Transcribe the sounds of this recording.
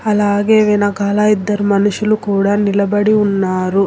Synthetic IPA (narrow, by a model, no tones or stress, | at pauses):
ɐlaːɡeʋenɐkaːlaid̪ːɐɾumɐnuʃjɐlukuːɽanilɐbɐɽiunːaːɾu